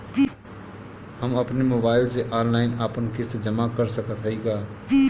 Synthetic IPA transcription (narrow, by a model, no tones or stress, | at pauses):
həməpnemobaɪlseʔɔnlaɪnapənkist̪d͡ʒəmakəɾsəkət̪ɦəjɡa